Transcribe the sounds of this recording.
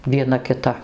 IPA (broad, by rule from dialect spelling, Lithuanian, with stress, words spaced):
ʋʲiɛˈnɐ kʲɪˈtɐ